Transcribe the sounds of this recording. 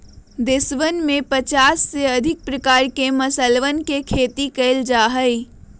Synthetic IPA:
d̪ɪsʋənmẽpət͡ʃaːsːeɐd̪ʱɪk̚pɾəkaːɾkeməsəlʋənkekʰeːt̪ikəɪld͡ʒaːɦəi

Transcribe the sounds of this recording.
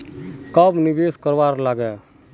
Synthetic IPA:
kəbnibeskəɾʋaɾlaɡɛ

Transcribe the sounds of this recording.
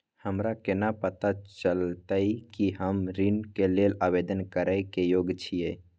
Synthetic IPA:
həmɾakenapət̪at͡ʃəlt̪əikiɦəmɾinkelelabed̪ənkəɾaɪkejoɡt͡ʃʰije

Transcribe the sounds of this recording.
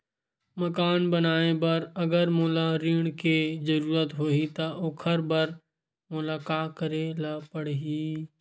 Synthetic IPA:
məkaːnbənaːebɐɾɐɡəɾmʊːlaɾiːɽ̃kezəɾuːɾət̪ɦoːit̪aʔoːkʰəɾbɐɾ | mʊlaːkaːkəɾelapəɽɦiː

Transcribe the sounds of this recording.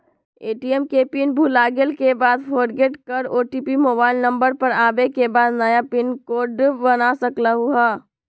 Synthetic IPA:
eːʈiɛmkepɪnbʱulaːɡelkebaːd̪pʰoːɾɡeːʈkɐɾoːʈipimoːbaːɪlnɐ̃mbəɾpɐɾaːbekebaːd̪nɐjapɪnkoːɖbɐnasɐklaɦuaː

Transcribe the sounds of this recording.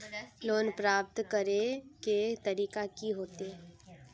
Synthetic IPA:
loːnpɾaːp̚t̪kəɾeket̪ɐɾiːkakiɦoːt̪e

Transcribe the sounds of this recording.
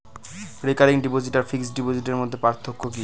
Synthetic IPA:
ɾekaɾiŋɖipod͡ʑiʈaɾfiksɖipod͡ʑiʈeɾmod̪ʱːepaɾt̪ʰːokʰːoki

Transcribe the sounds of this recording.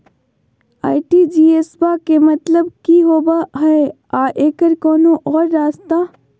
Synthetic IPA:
a̰ːiʈid͡ʒiːesbakemɐt̪ləbkiɦoːbaɦɛe | aːʔeːkəɾkɔːnoʔɔːɾːaːst̪aː

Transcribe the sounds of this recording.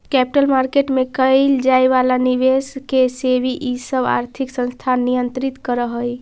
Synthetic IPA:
kɛpiʈəlmaɾkeʈmekəld͡ʒaeʋalaniβeskesebiʔisəba̰ɾt̪ʰiksə̃nst̪ʰannːijənt̪ɾit̪kəɾəɦəj

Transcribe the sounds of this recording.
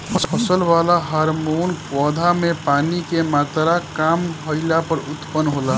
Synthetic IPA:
pʰəspʰəsəlʋalaɦaɾmonpɔd̪ʱamepanikemat̪ɾakamɦəɪlapəɾut̪pənːɦola

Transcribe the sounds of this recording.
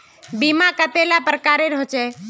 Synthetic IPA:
bimakət̪elapɾəkaɾeɾɦot͡ʃɛ

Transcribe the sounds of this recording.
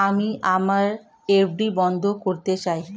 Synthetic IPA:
amiʔamaɾ | ebɖibɔnd̪ʱokoɾt̪et͡ɕaj

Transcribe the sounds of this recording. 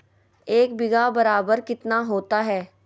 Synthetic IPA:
eːk̚bɪɡaːbəɾaːbəɾkɪt̪naːɦoːt̪aːɦɛː

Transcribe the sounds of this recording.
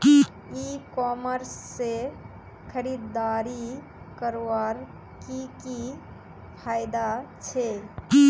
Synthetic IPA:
ikɔməɾsːe | kʰəɾid̪ːaɾi | kəɾaɾ | kiki | pʰajd̪at͡ʃʰe

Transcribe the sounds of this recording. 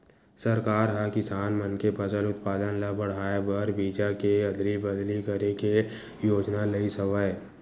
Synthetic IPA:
səɾkaːɾɦakɪsaːnmənkebɐd͡ʒəlʊt̪paːd̪ənlabɐɽ̤aːebəɾbiːd͡ʒakeɐd̪libɐd̪likəɾeke | joːd͡ʒnalɐisəʋae

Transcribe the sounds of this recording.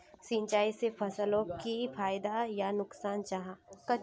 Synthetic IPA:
sĩːnt͡ʃaːisepʰɐsəlõkifaːɪd̪ajanʊksaːnt͡ʃaɦakɐ

